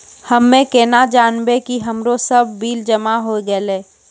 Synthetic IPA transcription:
həmːẽkɛːnad͡ʒaːnbekiɦəmɾosəb̚ʱːiːld͡ʒəmaɦoɡəleː

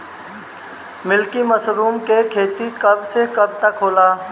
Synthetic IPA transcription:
mɪlkiməsɾuːmkekʰeːt̪ikɐbsekɐb̚t̪əkɦoːlaː

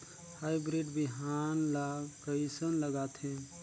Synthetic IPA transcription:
hajbɾiɖbiɦanlaɡkəɪsənləɡat̪ɦɛ̃

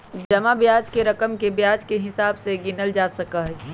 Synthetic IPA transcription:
d͡ʒɐmabjaːd͡ʒkeɾəkəmkebjaːd͡ʒkeɦɪsaːbseɡɪnəld͡ʒaːsəkaɦɛ

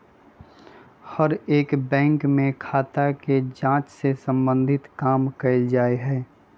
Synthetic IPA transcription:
həɾeːkbɛ̃ːŋkmẽkʰaːt̪aked͡ʒãːt͡ʃsesə̃mbə̃nd̪ʱɪt̪kaːmkəɪld͡ʒaːeɦɛː

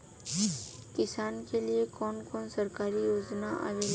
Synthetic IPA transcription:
kɪsaːnkeliekɔːnkɔːnsɐɾkaːɾijoːznaʔa̰ːe

